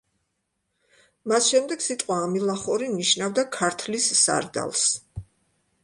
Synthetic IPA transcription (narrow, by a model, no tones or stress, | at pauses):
masʃɛmd̪ɛɡ̥sit̪ʼqʼwaːmilˠaχɔɾiniʃnavd̪akʰaɾt̪ʰlisːa̰ɾd̪a̰lˠs